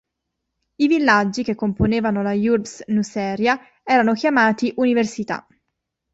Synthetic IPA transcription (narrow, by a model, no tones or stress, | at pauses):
ivilːad͡ʒːik̟ekːomponeːvanolajurbsnusɛːɾja | ɛːɾanokjamaːt̪iʔuniversit̪a̰